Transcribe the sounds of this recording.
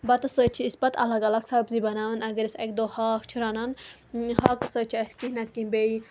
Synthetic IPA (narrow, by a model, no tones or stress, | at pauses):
bɐt̪ɐsət͡ʃʰiispɐt̪ɐ̰lɐɡɐlɐksɐbzibɐnaːʋɐnɐɡɐɾʲisɐk̚d̪oːhaːxt͡ʃʰiɾɐnɐn | hɐːkɐsəːt͡ʃʰiɐsʲkihnɐt̪̚kimbei